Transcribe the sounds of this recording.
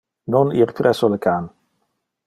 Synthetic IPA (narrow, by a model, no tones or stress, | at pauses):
noniɾtɾɛsoləkʰaːn